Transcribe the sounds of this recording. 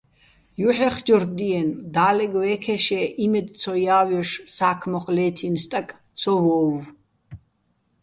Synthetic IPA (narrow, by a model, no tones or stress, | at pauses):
juħɛχd͡ʒɔɾd̪iɛnd̪aːlɛɡwɛːkʰɛʃɛʔimɛd̪t͡sʰɔjaːwjɔʂsaːkʰmɔχʼlɛːt̪ʰinst̪ʼɐkʼ | t͡sʰɔwɔv